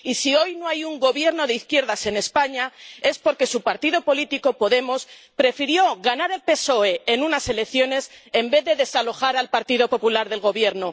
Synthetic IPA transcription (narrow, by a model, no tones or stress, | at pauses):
isio̞jno̞ajuŋɡo̞βje̞ɾno̞ðeiθkje̞ɾðase̞ne̞spaɲae̞spo̞ɾke̞supaɾt̪iðo̞po̞lit̪iko̞po̞ðe̞mo̞s | pɾe̞fiɾjo̞ɣanaɾe̞lpe̞so̞e̞enunase̞le̞kθjo̞ne̞se̞mbe̞ððe̞ðe̞salo̞xaɾalpaɾt̪ið̞o̞po̞pulaɾðe̞lɣo̞βje̞ɾno̞